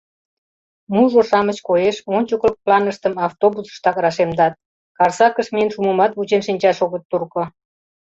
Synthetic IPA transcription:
muʒoʃɑmət͡ɕkojeʃonʲt͡ɕokəl̚plɑnəʃt̪əmɑft̪obusə̥ʃt̪ɑkɾɑʃemd̪ɑt̪̚ | kɑrsɑkəʃmenʃumumɑt̪βut͡ɕenʃinʲt͡ɕɑʃoɣət̪ːurkŏ

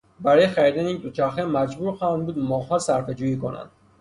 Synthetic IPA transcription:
baɾɔjχaɾid̪aniind̪ut͡ʃʰaxɛmad͡ʒbuɾxɔnbud̪mɔɦɔsaɾfed͡ʒujikona̰nd̪

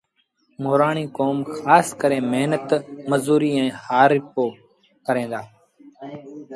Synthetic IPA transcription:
mʊːɾaːɳiːkoːmxaːskəɾẽːmeɦnət̪məzuːɾiːɛ̃ːhaːɾɪpoː | kəɾẽːnd̪aː

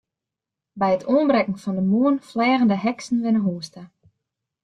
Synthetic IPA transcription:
bɛjətʰoənbrɛkŋ̩fɔndəmuənflɛːɣəndəɦɛksn̩ʋɪnəɦuːstə

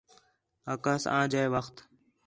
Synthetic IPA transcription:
aːkaːsã̰ːd͡ʒaːeːʋəxt̪

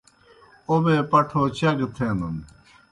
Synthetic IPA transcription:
obeːpɐʈʰoːt͡ɕɐɡt̪ʰẽːnd̪un

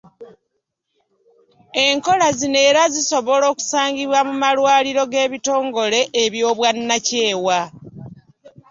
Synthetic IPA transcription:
e̞ŋko̞lazine̞ːɾaziso̞βo̞lo̞ːku̥saːɲɡiβwamumalwaːliɾo̞ɡe̞ːβito̞ːŋɡo̞le̞ʔːβjo̞ːβwanːace̞ːwa

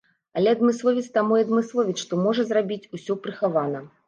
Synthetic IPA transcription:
ɐlʲɛɐd̪mɨslˠɔvʲit̪st̪amujɐd̪mɨslˠɔvʲiʂʂt̪ɔmɔʐɐzrabʲit͡sʲusʲɔpɾɨxavanɐ

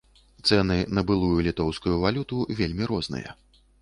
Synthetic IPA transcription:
t̪sɛnɨnɐbɨlˠujulʲit̪ɔwskujuvalʲut̪uvʲelʲmʲiɾɔznɨ̰jɐ̰

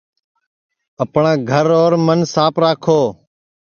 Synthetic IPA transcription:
əpɳãːɡʱəɾoːɾmənsaːpʰɾaːkʰoː

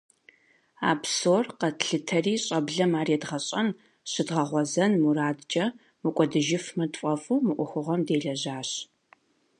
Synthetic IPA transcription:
a̰ːpsoːrqɐtɬɨtʰɐriːɕʼɐbɮɐmaːriːdʁɐɕʼɐn | ɕɨdʁɐʁʷɔzɐnmuraːdt͡ʃʼɐ | mɨkʷʼɔdɨʒɪfmɐdfʼɐfʼuːmɨʔʷʊxʷʊʁɐmdeːɮɐʑaːɕ

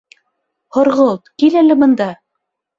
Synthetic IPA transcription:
hŏɾʁɤlˠt̪kilælɘ̆bɤ̆nd̪ɑ

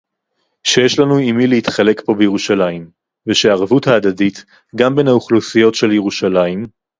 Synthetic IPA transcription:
ʃejeʃlanuimilehitχale̞kbo̞beje̞ʁuʃalaim | veʃeaːʁvuthaːd̪adit | ɡambe̞nhauχlusijo̞tʃe̞ljeʁuʃalaim

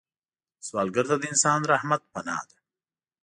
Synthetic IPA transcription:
swɑːlɡəɾt̪ad̪əɪnsɑːnɾahmat̪̚panɑ̰ːd̪e̥

